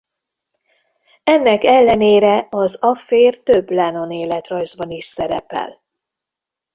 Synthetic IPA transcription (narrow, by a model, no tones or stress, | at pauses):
ɛnːɛkɛlːɛneːɾɛɒzɒfeːrt̪ø̞bːlɛno̞neːlɛt̪rɒjzbɒniʃsɛɾɛ̰pɛ̰l